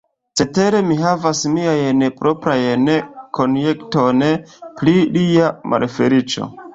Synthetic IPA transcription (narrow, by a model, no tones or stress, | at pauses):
t͡se̞te̞ɾe̞miɦavasmiajnepɾʔo̞pɾajneko̞njektonplilijamʔa̰ɾefe̞ɾit͡ʃo̞̰